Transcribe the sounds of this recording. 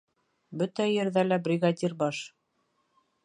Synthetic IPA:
bɵt̪æjɘ̆ɾðælæbrʲiɡad̪ʲirbɑʃ

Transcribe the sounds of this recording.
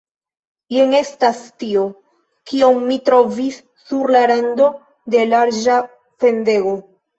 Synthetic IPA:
je̞ŋe̞stastio̞ | kio̞mːitɾo̞visː | uɾlaɾando̞ | de̞laɾd͡ʒa | fe̞nde̞ɡo

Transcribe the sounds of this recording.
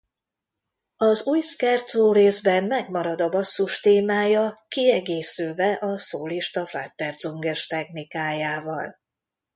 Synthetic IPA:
ɒzuːjskɛrd̪zoːreːzbɛnmɛɡmɒɾɒd̪ɒbɒsːuʃt̪eːmaːjɒkiɛɡeːsylvɛʔɒsoːliʃt̪ɒfla̰ːt̪ːɛrd̪zoŋɡɛʃt̪ɛxnikaːjaːvɒl

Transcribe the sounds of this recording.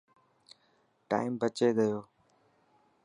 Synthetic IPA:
ʈa̰ːɪmbət͡ʃeːd̪əjoː

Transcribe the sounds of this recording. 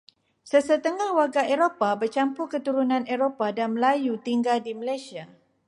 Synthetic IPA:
səsət̪əŋahwarɡaeɾopabərt͡ʃampukət̪uɾunãneɾopadanməlajut̪iŋɡaldiməlajsia

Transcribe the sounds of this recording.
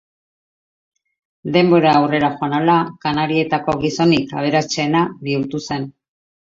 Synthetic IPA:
d̪e̞mbo̞ɾaːwre̞ɾaxoanalakanaɾie̞t̪ako̞ɣiso̞nikaβ̞e̞ɾast͡ʃeːnaβiuɾt̪use̞n

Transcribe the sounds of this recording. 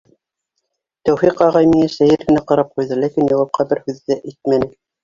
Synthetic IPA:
t̪æwfiqɑʁɑjmiŋæʃæjɘɾɡɘ̆næqɑɾɑp̚qujðɤlækinjɑwɑp̚qʰɑbɘɾhʉðːæʔijt̪̚mænɘ

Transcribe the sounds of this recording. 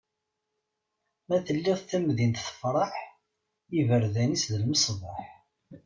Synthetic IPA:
mæθəlːiʁθæmðint̪θə̥fɾˤɑħ | ivəɾðænisðəlməsˤvˤɑħ

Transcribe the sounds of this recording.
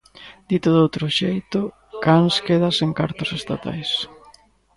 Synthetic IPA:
d̪it̪ʊðowt̪ɾʊʃejt̪ʊ | kanskeðɐseŋkaɾt̪ʊsest̪a̰t̪a̰js

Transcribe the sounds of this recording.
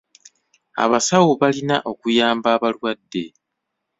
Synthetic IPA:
a̰βasawoβalinaʔo̞kujaːmbaːβalwadːe̞

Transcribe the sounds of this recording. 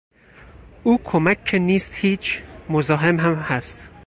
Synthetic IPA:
ʔuːkʰomækːʰeniːst̪hiːt͡ʃʰmozɒːɦemɦæmhæst̪

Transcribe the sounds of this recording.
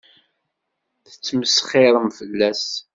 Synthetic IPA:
θə̥t͡sːməsχɪɾˤəmfəlːæs

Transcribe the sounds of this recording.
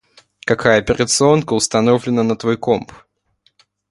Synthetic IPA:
kɐkʰajəɐpʲɪɾʲət̪sɨo̞nkəʊst̪ɐno̞vlʲɪnənət̪vojkomp

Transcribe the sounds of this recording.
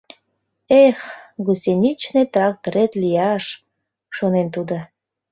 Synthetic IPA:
exɡusenʲit͡ɕnet̪rɑk̚t̪oɾet̪lijɑʃ | ʃonent̪ud̪ə̆

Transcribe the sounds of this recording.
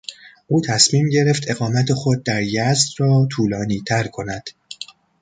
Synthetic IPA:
ʔuːt̪ʰæsmiːmɟe̞ɾe̞ft̪ʰe̞ɣɒːmæt̪ʰe̞xo̞d̪̚ːæɾjæzd̪ɾɒːt̪ʰuːlɒːniːt̪ʰæɾkʰo̞næd̪̥

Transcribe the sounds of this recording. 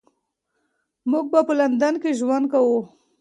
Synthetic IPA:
muɡ̚bapəland̪ankeʒwand̪̚kawu

